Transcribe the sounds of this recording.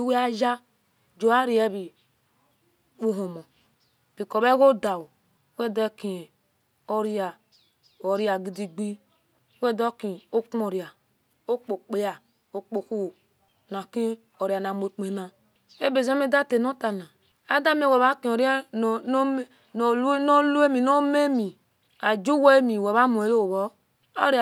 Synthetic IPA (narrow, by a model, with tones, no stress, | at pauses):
i˦we˦a˦d͡ʒa˦ | d͡ʒo˨a˦ɾi˨˦e˦bi˨ | u˦ɦo˨mo˨ | b̥i˨ko˨βe˦ɣo˦da˨wu˨˦ | we˦dki˨ | o˦ɾi˦ja˨ | o˨ɾi˦a˨ɡi˨di˨ɡ͡bi˦ | we˦do˦ki˨o˦ko˨ɾi˨a˨ | o˦k͡po˨k͡pe˦ja˨ | o˨k͡po˨ku˦˨ | na˨ki˦ | o˨ɾa˨na˨mo˨k͡pe˨na˦ | e˦be˨za˦me˦da˦te˨no˦ta˨na˨ | a˦da˦m˦e˦we˨βa˦kĩ˨o˨ɾja˦˨˦ | lno˦lu˦e˦mi˨no˦me˦mi˨ | a˨d͡ʒu˦we˦mi˨we˨βa˦mu˨e˨lo˦˨βo˦ | o̰˦ɾ